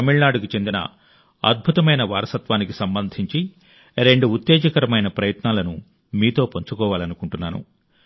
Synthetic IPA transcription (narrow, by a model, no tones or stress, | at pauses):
ɐmiɭnaːɽukit͡ʃe̞nd̪inɐ̰ | ɐ̰d̪̚bʱut̪ɐmɐjnɐʋa̰ːɾɐsɐt̪ʋaːnikisɐmbɐnd̪ʱiɲt͡ʃi | ɾe̞ɳɖuːt̪ːɛːd͡ʒɐkɐɾɐmɐjnɐpɾɐjɐt̪naːlɐnu | miːt̪o̞ːpoɲt͡ʃukɔːʋaːlɐnukuɳʈunːaːnṵ